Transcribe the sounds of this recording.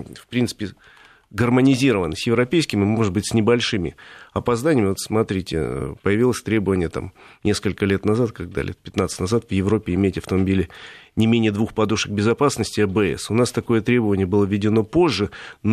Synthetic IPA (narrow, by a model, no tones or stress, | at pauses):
fpɾʲint̪ɨ̥pʲɪ | ɡərmənʲɪzʲiɾəvənəsʲjɪvɾɐpʲejskʲɪmɪmo̞ʐɨt̪̚bɨtʲsʲnʲɪbɐlʲʂɨmʲɪ̰ɐpɐzd̪anʲɪəmɪvot̪smɐt̪ɾʲitʲɪ̰pəjɪvʲilˠəsʲt̪ɾʲe̞bəvənʲɪjət̪a̰mnʲe̞skəlʲkəlʲe̞t̪nɐzat̪kɐɡ̚d̪a̰lʲet̪pʲɪt̪nat̪sɨ̥tʲnɐzat̪vjɪvɾo̞pʲːɪɪmʲejtʲɐft̪əmɐbʲilʲɪnʲɪmʲenʲɪjəd̪vuxpɐd̪uʂəɡ̚bʲɪzɐpasnəsʲtʲɪɐbɨɛ̰sʊnast̪ɐko̞jət̪ɾʲe̞bəvənʲɪjəbɨlˠəvʲːɪdʲɪno̞po̞ʐːɨn